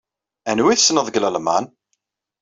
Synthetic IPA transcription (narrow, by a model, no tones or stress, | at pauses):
ænwiθəsnəðˤɡləlma̰n